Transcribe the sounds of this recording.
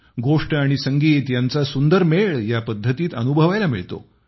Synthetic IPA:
ɡoʂʈəaɽ̃isəŋɡiːt̪jant͡sasund̪əɾmeɭjapəd̪ʱːət̪iːt̪ənubʱəʋajlamḭɭt̪o̰

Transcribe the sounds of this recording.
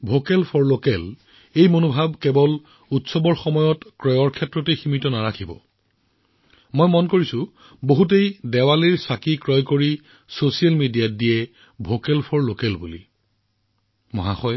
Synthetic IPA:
bʱokɛlpʰɔɹlokɛl | ejmonobʱabkebɔl | utsɔbɔɹxɔmɔjɔtkɹɔjɔɹkʰɛtɹɔteximitɔnaɹakʰibɔ̰ | mojmɔnkoɹisʊ̃ | boɦut̬ejdɛwaliɹsakikɹɔjkoɹi | sosialmidijadijɛ | bʱokɛlpʰɔɹlokɛlbulḭ | mɔ̰ɦaxɔj

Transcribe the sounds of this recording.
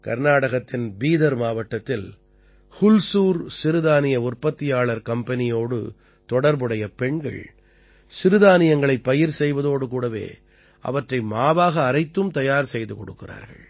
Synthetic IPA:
kɐɾnaːɽɐɣɐt̪ːɪnbiːðɐɾmaːʋɐʈːɐt̪ːɪl | hʊlsuːɾsɪɾɯðaːnɪjɐʊrpɐt̪ːɪjaːɭɐɾkɐmpɐnɪjoːɽɯ̰ | t̪ɔɽɐɾbɯɽɐjɐpɛɳɡɐ̰ɭ | sɪɾɯðaːnɪjɐŋɡɐɭɐɪpːɐjɪɾsɛjʋɐðoːɽɯkuːɽɐʋḛː | ʔɐ̰ʋɐʈrɐɪmaːʋaːɣɐːɾɐɪt̪ːɯmt̪ɐjaːɾsɛjðɯkɔɽɯkːɪra̰ːɾɣɐ̰ɭ

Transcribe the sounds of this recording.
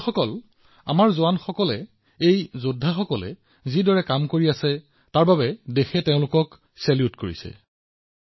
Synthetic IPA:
xɔkɔl | a̰maɹzoanxɔkɔlɛ | ejzodʱaxɔkɔlɛ̰ | zidɔɹɛkamkoɹiasɛ | taɹbabɛdexɛteʊ̃lʊkɔk | sɛljutkoɹḭsɛ̰

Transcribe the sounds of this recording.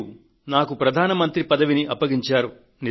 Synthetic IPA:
u | naːkupɾɐd̪ʱaːnɐmɐnt̪ɾipɐd̪ɐʋiniʔɐpːɐɡiɲt͡ʃaːɾu | ni

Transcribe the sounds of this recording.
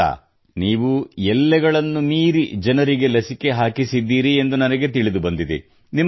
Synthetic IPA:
a̰ː | niːʋuɛlːɛɡɐɭɐnːumiːɾid͡ʒɐnɐɾiɡe̞lɐsike̞ɦaːkisid̪ːiːɾie̞nd̪unɐnɐɡe̞t̪iɭid̪ubɐnd̪id̪ḭ | nim

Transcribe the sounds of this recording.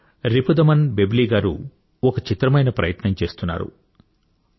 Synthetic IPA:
ɾipud̪ɐmɐnbebliːɡaːɾṵ | ɔkɐt͡ʃit̪ɾɐmɐjnɐpɾɐjɐt̪nɐmt͡ʃe̞ːst̪unːa̰ːɾṵ

